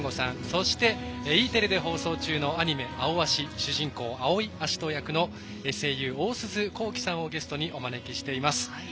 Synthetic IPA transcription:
ŋɡosãɴ̃so̞ɕi̥t̪e̞iːt̪e̞ɾɯ̟d̪e̞ɦo̞ːso̞ːt͡ɕɨːno̞aɲ̟ime̞ʔaoβaɕiɕɨʑĩŋko̞ːao̞iaɕi̥t̪o̞jakɯ̟no̞ | e̞se̞jɯ̟ːo̞ːsɨzɨko̞ːkʲi̥sãɰ̃o̞ɡe̞sɨ̥t̪o̞ɲ̟iʔo̞mane̞kʲiɕi̥t̪e̞imasɨ̥

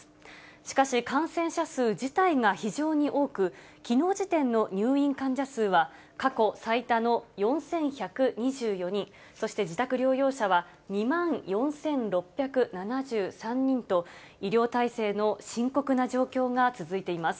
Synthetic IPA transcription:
ɕi̥kaɕikãɰ̃sẽ̞ɰ̃ɕasɨːd͡ʑit̪aiɡaçiʑo̞ːɲ̟iʔo̞ːkɯ̟kʲino̞ːʑit̪ẽ̞nːo̞ɲ̟ɨːĩŋkãɲ̟d͡ʑasɨːβa | kako̞sait̪ano̞jõ̞ɰ̃sẽ̞ɰ̃çakɯ̟ɲ̟iʑɨːjo̞ɲ̟ĩɰ | so̞ɕi̥t̪e̞d͡ʑit̪akɯ̟ɾʲo̞ːjo̞ːɕaβa | ɲ̟imãɰjõ̞ɰ̃sẽ̞nɾo̞pʲːjakɯ̟nanaʑɨːsãɲ̟ɲĩnt̪o̞ | iɾʲjo̞ːt̪aise̞ːno̞ɕĩŋko̞kɯ̟naʑo̞ːkʲo̞ːŋat͡sɨzɨit̪e̞imasɨ̥

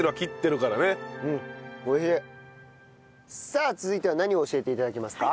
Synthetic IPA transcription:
eɾɯβakʲit̪ːe̞ɾɯ̟kaɾane̞ɯ̟̃ɴkoçe | saːt͡sɨzɨit̪eanaɲ̟io̞ːɕie̞t̪e̞it̪ad̪akʲemasɨ̥ka

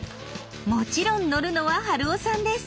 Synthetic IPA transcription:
mo̞t͡ɕiɾõ̞nːo̞ɾɯ̟no̞βaɦaɾɯ̟osãnd̪e̞sɨ̥

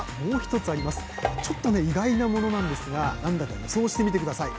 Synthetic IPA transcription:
mo̞ːçi̥t̪o̞t͡sɨaɾʲimasɨ̥ | t͡ɕo̞t̪ːo̞ne̞iɡainamo̞no̞nãnd̪e̞sɨɡanãnd̪ak̪ːaɡiso̞ːɕi̥t̪e̞mʲit̪e̞kɯ̟d̪asai

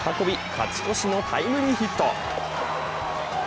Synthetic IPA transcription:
hako̞bʲikʰa̰t͡sɨ̥ko̞ɕinot̪ʰa̰imɯ̟ɲ̟ːiçit̪ːo̰

